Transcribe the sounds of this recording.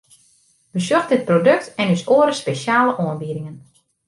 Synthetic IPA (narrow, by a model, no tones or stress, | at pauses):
ʋəsøxtdɪt̚prodøk̚tɛnysoəɾəspeʃaːləʔɔənbiəɾɪŋən